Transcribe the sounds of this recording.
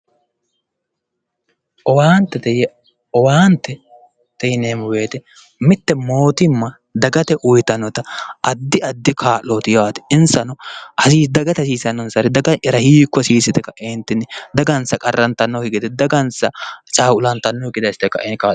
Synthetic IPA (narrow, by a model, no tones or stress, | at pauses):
ʔɔwaːnt̪ːɛt̪ɛjɛ | ɔwaːnt̪ːɛ | t̪ɛjneːmʊbe̞ːt̪ɛ | mɪt̪ːɛmo̞ːt̪ɪmːɐ | d̪ɐɡɐt̪ɛʔʊjt̪ɐnːɔt̪ɐʔɐd̪ːɪɐd̪ːɪkʰaːʔoːt̪ɪjaːt̪ɪ̥ɪnsɐnɔɐsiːd̪ɐɡɐt̪ɛsiːsɐnːɔnsɐɾɛd̪ɐɡɐɛɾɐhiːkːɔsiːsɪt̪ɛkːɐʔɛːnt̪ːɪnːɪd̪ɐɡɐnsɐkʼɐrːɐnt̪ɐnːɔɡɪɡɪt̪ɛd̪ɐɡɐnsɐt͡ʃʼaːʊlɐnt̪ɐnːɔɪɡɪd̪ɐsɪt̪ɛkːɐ̰ʔɛnkaː